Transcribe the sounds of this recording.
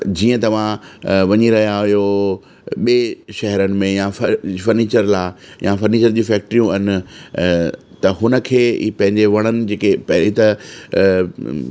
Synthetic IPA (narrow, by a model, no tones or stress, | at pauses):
d͡ʑiːə̃t̪ɐʋ̤ãʋɐɲiɾɐɦijajo | ɓieʃɛɦɛɾənɪ̆mẽjãffɐɾniːt͡ɕəɾlaː | jãfɐɾniːt͡ɕəɾd͡ʑĩːfɛːk̚ʈɾijũɐnɪ̆ | t̪ɐɦʊnəkʰeːpɐ̃ɦɪ̃ɲd͡ʑeʋɐɽ̃ənɪ̆d͡ʑeːkepɪt̪ə